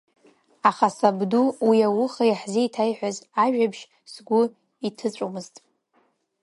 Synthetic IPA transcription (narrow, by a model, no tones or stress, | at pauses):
aχasabduwiawʊχajaħziitʰajħʷᶣazaʒᶣabʃ | sɡʷʊ | itʰɨt͡ɕʷʼomɨztʼ